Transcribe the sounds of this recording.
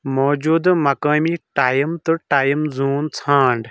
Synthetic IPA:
moːd͡ʒuːd̪mɐkaːmiʈaːjmt̪ɐʈaːjmzuːnt͡sʰãːɳɖ

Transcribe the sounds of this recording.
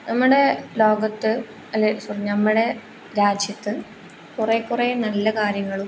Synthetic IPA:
nɐmːuɽe̞lo̞ːɡɐt̪ːɨ | ɐlːesurɲːnɐmːuɽe̞ | ɾaːd͡ʑʱjɐt̪ːɨ | kurekːurenɐlːɐkaːɾjɐŋːɐɭum

